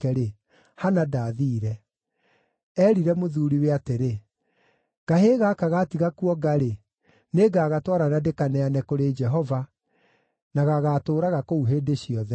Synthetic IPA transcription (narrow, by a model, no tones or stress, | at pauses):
ɛɾe | hanadaːðiːɾɛ | ɛːɾiɾɛmoðuɾiweateɾe | ɡ̥aɦeɣakaɣatiɣakuɔɡaɾe | neɡaːɣatwɔɾanadekanɛanɛkoɾed͡ʒɛɦɔva | naɣaɣaːtoːɾaɣakouɦeːdeɕiɔðɛ